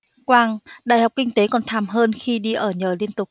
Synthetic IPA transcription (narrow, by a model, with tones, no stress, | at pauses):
kwaː˧ŋɗaː˨˩jhɦa˨˩wk͡pkï˧ŋ̟t̪e˨˦kɔ˨˩nt̪ʰaː˧˩mɦəː˧nxi˧ɗi˧ʔəː˧˩ɲəː˨˩li˧ənt̪ʊ˨˩k͡p̚